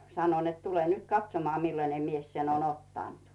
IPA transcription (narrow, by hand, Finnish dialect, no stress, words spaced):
sɑno net tule nyt kɑtsomoɑ milːɑne mies sen on otːɑˑnt